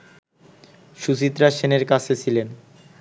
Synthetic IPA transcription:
ʃut͡ɕit̪ːɾaʃeneɾkat͡ɕʰet͡ɕʰilen

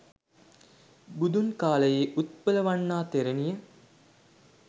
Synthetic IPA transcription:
bud̪unkaːləjeːʔut̪̚pələʋanːaːt̪eɾenijə

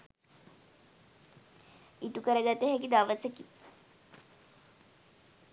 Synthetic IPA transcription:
iʈukəɾəɡat̪ːeɦɛkid̪aʋəseki

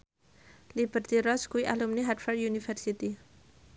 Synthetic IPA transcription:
lib̥ərt̪iɾɔskuiʔa̰lumniɦadfɛrdjunifɛrsit̪i

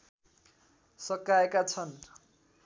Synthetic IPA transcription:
sʌkaekat͡sʰʌn

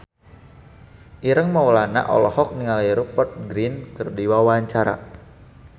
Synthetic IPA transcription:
ʔiɾəŋmawlana̰ʔɔ̰lɔhɔk̚niŋaliɾupɔt̪̚ɡɾinkərdiwawaaɲt͡ʃaɾa̰

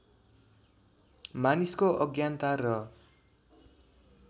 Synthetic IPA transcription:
maniskoʔʌɡjant̪arʌ

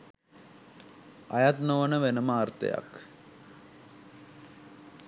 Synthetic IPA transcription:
ɐjɐt̪noːɐnɐʋenɐmaːrt̪ɐ̰jɐ̰k

